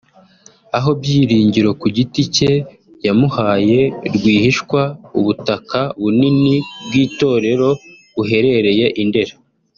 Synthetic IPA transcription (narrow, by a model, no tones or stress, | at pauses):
aɦo̞bjiːɾiːɲɟiɾo̞kuɟitice̞ | jamuhaːje̞ɾɡwiːhiʃkwauβutakaβuninibɡiːto̞ːɾe̞ɾo̞ | βuɦe̞ɾe̞ɾe̞je̞ʔinde̞ɾa